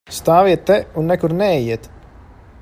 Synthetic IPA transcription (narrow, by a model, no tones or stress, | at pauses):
st̪aːviɛt̪ːɛunːɛkuɾnɛɛjiɛt̪